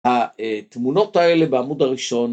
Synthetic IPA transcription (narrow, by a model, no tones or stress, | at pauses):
aet̪muno̞t̪haelebeamud̪haʁiʃo̞n